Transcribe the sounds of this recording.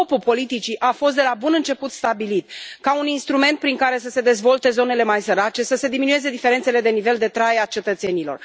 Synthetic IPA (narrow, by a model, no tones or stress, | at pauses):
opupo̞lit̪it͡ʃiʔafo̞s̬t̪d̪e̞labunɨnt͡ʃe̞put̪st̪abilit̪kauninst̪ɾume̞nt̪̚pɾiŋkaɾe̞s̬əse̞d̪e̞zvo̞lt̪e̞zo̞ne̞le̞majsəɾat͡ʃe̞səse̞d̪iminue̞ze̞d̪ife̞ɾent̪sele̞d̪e̞nive̞ld̪e̞t̪ɾajat͡ʃe̞t̪ət̪se̞nilo̞̰r